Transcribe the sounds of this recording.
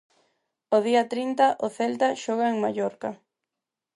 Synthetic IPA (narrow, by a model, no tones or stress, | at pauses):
oðiɐt̪ɾint̪aʔʊθɛlt̪aʃɔɣaeŋmajɔɾka